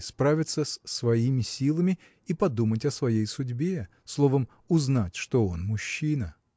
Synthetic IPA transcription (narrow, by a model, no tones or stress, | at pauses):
spɾavʲɪt̪səssvɐimʲɪsʲilˠəmʲɪ | ipɐd̪umətʲɐsvɐjejsʊdʲbʲe | slˠo̞vəm | ʊznatʲʂt̪oo̞nmʊɕːinə